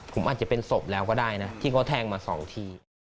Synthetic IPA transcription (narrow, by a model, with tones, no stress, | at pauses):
pʰo˩˦mʔaː˨˩t̪̚t͡ɕa˨˩pe˧nso˨˩p̚lɛː˦˥wkɔː˥˩daː˥˩jna˦˥t̪ʰiː˥˩kʰɔ˦˥˩t̪ʰɛː˧ŋmaː˧sɔ̰ː˩˦ŋt̪ʰiː˧